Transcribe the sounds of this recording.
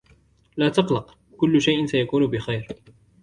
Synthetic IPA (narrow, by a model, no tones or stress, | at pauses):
laːt̪ɑqlɑq | kʊlːʊʃajʔɪnsajakuːnʊbɪxajɾ